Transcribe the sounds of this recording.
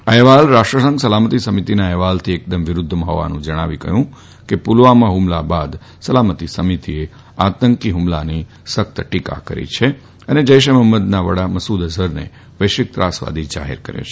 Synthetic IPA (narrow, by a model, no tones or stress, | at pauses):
aɛʋalɾaʃʈɾəsə̃ŋɡsəlamət̪isəmit̪inaɛʋalt̪ʰiek̚d̪əmʋɪɾʊd̪ʱːmɦo̰ʋa̰nũd͡ʒəɽ̃aʋikə̰ɦjũ | kepulʋamãɦʊmlabad̪ | səlamət̪isəmit̪ie | at̪əŋkiɦumlani | sək̚t̪əʈika̰kə̰ɾḭt͡ʃʰe | əned͡ʒəjʃ̬eməmːəd̪naʋəɽaməsud̪əzəɾnḛ | ʋəjʃɪk̚t̪ɾa̰sʋa̰d̪ʱid͡ʒa̰ɦḛɾkə̰ɾjo̰t͡ʃʰ